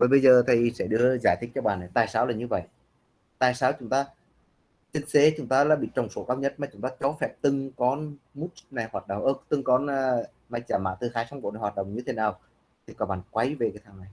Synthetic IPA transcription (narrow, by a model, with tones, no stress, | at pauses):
vəː˨˩ɓə˧jzəː˨˩t̪ʰi˨˩sɛ̰˧˥ɗɨ˧əzaː˧˩jt̪ʰï˦˥k̚t͡ɕɔ˧ɓaː˧˨na˨˩jt̪a̰ː˧˨jsaː˨˦wlaː˨˩ɲɨ˧və̰˧˨jʔ | t̪a̰ː˧˨jsaː˨˦wt͡ɕʊ˨˦ŋ͡mt̪aː˧ | t͡ɕe˧nse˨˦t͡ɕʊ˨˦ŋ͡mt̪aː˧laː˧˥ɓḭ˧˨t͡ɕə˨˩wŋ͡mso˧˦kaː˧wɲə˦˥t̚maː˨˩t͡ɕʊ˨˦ŋ͡mt̪aː˧t͡ɕɔ˨˦fɛ˦˥p̚t̪ɨ˨˩ŋkɔ˨˦ | mu˦˥t̚na˨˩jhwaː˨˩t̚ɗə̰˧˨wŋ͡mʔəː˧˩t̪ɨ˨˩ŋkɔ˨˦nː˧ | ma˧˩j̚t͡ɕaː˧˩ma̰ː˧˨t̪ɨ˨˩xaː˨˦jsa˧wŋ͡mɓo̰˧˨na˨˩jwaː˨t̚ɗə̰˧˨ŋ͡mɲɨ˧t̪ʰe˨˦naː˨˩w | t̪ʰi˨˩kɔ˨˩ɓaː˧˨˩nkwa˨˦jve˨˩kaː˨˦jt̪ʰaː˧˩ŋna˨˩j